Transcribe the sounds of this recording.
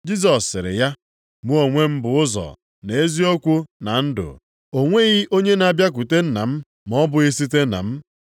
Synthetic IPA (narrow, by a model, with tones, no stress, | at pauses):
d͡ʒi˦s̬ɔ˨sːɪ̰˨ɾɪ̰˨ja˦ | mu˦o˨ŋʷe˦m̩˦bʊ˨ʊ˦zɔ̰˨ | ne˨e˦zi˦o˦kʷu˦na˨n̩˦dʊ̰˨ | o˨ŋʷe˦ɣi˦ʔo˦ɲe˦na˨bja˦k̬u˨te˦n̩˦na̰˨m̩˦ | mɔ˦bʊ˨ɣi˦si˦t̬e˦na̰˨m̩˦